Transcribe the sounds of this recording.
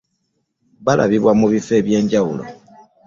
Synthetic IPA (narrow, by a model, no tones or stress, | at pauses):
βalʔa̰βiβwamuβife̞ːβje̞ːɲɟawulo̰